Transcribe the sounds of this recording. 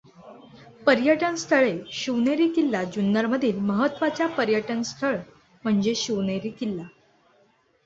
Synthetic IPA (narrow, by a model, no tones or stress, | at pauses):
pəɾjəʈənst̪ʰəɭeɕuʋneɾiːkilːad͡ʑunːəɾməd̪ʱiːlməɦət̪ːʋat͡ɕjapəɾjəʈənst̪ʰəɭ | m̤əɳd͡zeɕuʋneɾiːkilːa